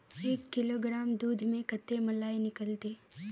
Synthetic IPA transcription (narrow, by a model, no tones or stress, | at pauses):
eːkːɪloːɡɾaːmd̪uːd̪ʱmẽkət̪ːemɐlaːinɪkəlt̪eː